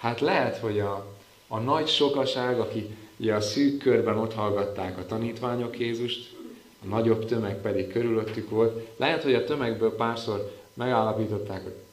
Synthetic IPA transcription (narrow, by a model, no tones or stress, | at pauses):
haːt̪lɛɦɛt̪ho̞ɟɒː | nɒɟʃo̞kɒʃaːɡɒkiṵɟɛɒsyːkːø̞rbɛno̞t̪hɒlɡɒt̪ːaːkɒt̪ɒniːt̪ʋaːɲo̞kjeːzuʃt̪ | ɒnɒɟo̞bt̪ø̞mɛk̚pɛd̪ikkːø̞ɾylø̞t̪ːykʋo̞lt̪lʔɛɦɛt̪ho̞ɟɒt̪ø̞mɛɡbøːlpaːrso̞rmɛɡaːlːɒpiːt̪o̞t̪ːaːko